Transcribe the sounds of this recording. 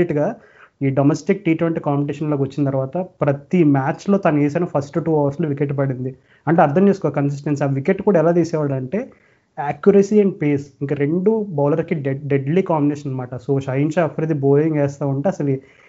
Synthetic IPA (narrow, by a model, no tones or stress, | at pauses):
iʈɡaː | iːɖɐmesʈik̚ʈiːʈʋeɳʈikaːmpiʈ̬eːʂɐnloːkʋɐt͡ʃːinɐt̪ɐɾuʋaːt̪ɐpɾɐt̪imaːt͡ʃlo̞ːt̪aːnueːs̬ɐnɐpʰɐsʈuʈuːɐʋɐɾsloːʋikeʈ̬ːpɐɽind̪i | ɐɳʈeːɐɾd̪ʰʱɐmt͡ʃeːsu̥kɔːkɐns̬is̬ʈensiaːʋikeʈːkuːɽaɛlaːt̪iːsɛːʋaːɽɐlɐɳʈe̞ː | aːkjuɾɐsiːɐɳɖpeːsiŋkaɾe̞ɳɖubaːlɐɾskiɖɖeɖlikaːmbinɛːʃɐnɐmaːʈɐsoːʃɐjiɲt͡ʃeɐpʰːɾed̪iboːjiŋɡɛːst̪aːuɳʈeːɐsɐli